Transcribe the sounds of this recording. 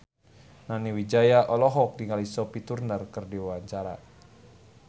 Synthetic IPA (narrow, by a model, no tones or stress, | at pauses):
naniwid͡ʒajaʔɔlɔɦɔk̚diŋalisɔpit̪urnərkərdiwawaɲt͡ʃaɾa̰